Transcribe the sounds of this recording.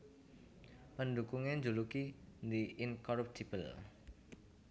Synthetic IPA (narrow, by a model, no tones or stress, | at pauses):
pəndukuŋend͡ʒulukind̪iʔinkɔɾap̚t̪ʰib̥əl